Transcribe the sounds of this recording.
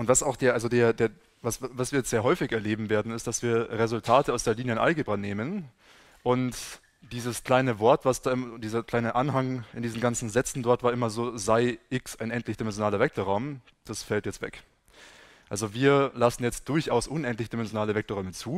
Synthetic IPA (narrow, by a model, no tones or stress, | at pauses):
ʔʊntv̥asaʊxd̥eːɐʔalzodeːɐdeːɐ | vasvasv̥iːɐjɛt͡stz̥eːɐɦɔʏfɪçɛɐleːbm̩veːɐdn̩ɪst̚d̥asv̥iːɐʁezʊltʰaːtəaʊsd̥eːɐliːnjəɪnʔa̰lɡeːbʁanːeːmən | ʔʊnt | d̥iːzəskl̥aɪnəvɔɐtv̥asd̥aːʔɪmɐd̥iːzɐklaɪnəʔanɦaŋɪndiːzn̩ɡant͡sn̩zɛt͡sn̩dɔɐtv̥aːɐɪmɐzoːzaɪʔɪksʔaɪnʔɛntlɪçd̥imɛnzjonaːlɐvɛk̚toʁaʊm | d̥asfɛltjɛt͡stv̥ɛ̰k | ʔalzoviːɐlasn̩jɛt͡st̚d̥ʊɐçʔaʊsʔʊnʔɛntlɪçəd̥imɛnzjonaːləvɛk̚toʁɔʏmət͡suː